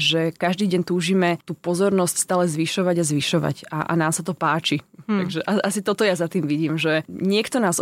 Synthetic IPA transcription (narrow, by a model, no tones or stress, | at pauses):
ʒɛkaʒd̪iːɟɛnt̪uːʒimɛt̪uːpɔzɔɾnɔscst̪aːlɛzʋiʃɔʋaɟazʋiʃɔʋa̰ca̰ʔa̰naːmsat̪ɔpaːt͡ʃit̪aɡʒɛʔaʔasit̪ɔt̪ɔjazat̪iːmʋiɟiːmʒɛɲɪɛkt̪ɔnaːz